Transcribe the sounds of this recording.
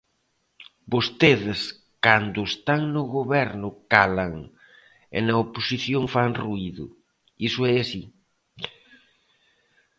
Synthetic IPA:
bost̪eðɪs | kand̪ʊest̪aŋnʊɣoβɛɾnʊkalaŋ | ḛnɐoposiθjoŋfaŋruiðʊ̰ | isʊɛasi

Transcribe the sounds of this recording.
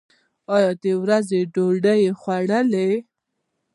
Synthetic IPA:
ɑjɑd̪əwɾazeɖoɖəjexwaɽəle

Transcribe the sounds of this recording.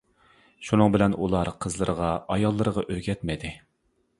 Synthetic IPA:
ʃunɨŋbɪlɛnulˠɑɾqʰəzlˠəɾəʁɑɑjɑlˠːɨɾəʁɑʔøɡʲɛt̪mɪd̪ɪ

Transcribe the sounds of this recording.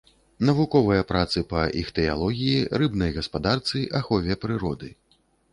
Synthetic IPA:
nɐvukɔvɨjɐpɾat̪sɨpɐʔixt̪ɛja̰lˠɔɣʲijirɨbnɐjɣɐspad̪art̪sɨʔaxɔvʲɛpɾɨɾɔd̪ɨ

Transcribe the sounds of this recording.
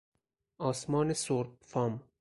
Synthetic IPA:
ɒːsmɒːnesoɾt̪̚fɑm

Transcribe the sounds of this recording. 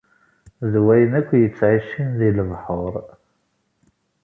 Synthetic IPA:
ðwæjənækʷːjət͡sːʕiʃinðiləvħəɾˤ

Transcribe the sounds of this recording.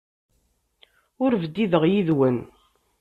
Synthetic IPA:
ʊɾvəd̪ːiðəʁjiðwən

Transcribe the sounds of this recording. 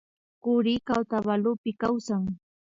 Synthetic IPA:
kʊɾɪkawt̪aβalʊpɪkawsaŋ

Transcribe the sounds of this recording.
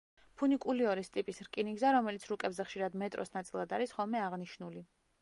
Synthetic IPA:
pʰunikʼuliɔɾist̪ʼipʼisɾkʼiniɡzaɾɔmɛlit̪sʰɾukʼɛbzɛχʃiɾad̪mɛt̪ʼɾɔ̰snat̪sʼilˠad̪aɾisχɔlˠmɛaʁniʃnuli

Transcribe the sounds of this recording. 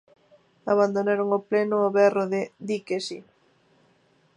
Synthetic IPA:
aβand̪onaɾʊŋoplenʊːβɛroðɪd̪ikesi

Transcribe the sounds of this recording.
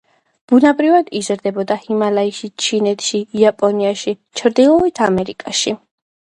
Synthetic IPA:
b̥unabɾivad̪izɾd̪ɛbɔd̪ahimalaiʃit͡ʃʰinɛt̪ʰʃiːapʼɔniaʃi | t͡ʃʰɾd̪ilˠɔit̪ʰamɛɾikʼaʃi

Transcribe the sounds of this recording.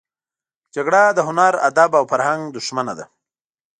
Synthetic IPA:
d͡ʒaɡɽad̪əɦʊnaɾa̰d̪abawfaɾhaŋɡd̪ʊʃmanad̪a̰

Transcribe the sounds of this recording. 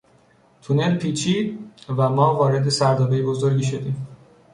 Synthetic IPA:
t̪ʰune̞lpʰiːt͡ʃʰiːd̪̚væmɒːvɒːɾe̞d̪e̞sæɾd̪ɒːbe̞jebo̞zo̞ɾɡiʃo̞d̪iːm

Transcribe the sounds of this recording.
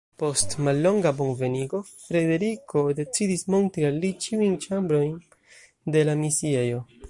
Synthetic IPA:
po̞stmalːo̞ŋɡabo̞nve̞niɡo̞ | fɾe̞de̞ɾikʰo̞de̞t͡sidismo̞ntɾialːit͡ʃiujnt͡ʃambɾo̞jn | de̞lamisiejo̞

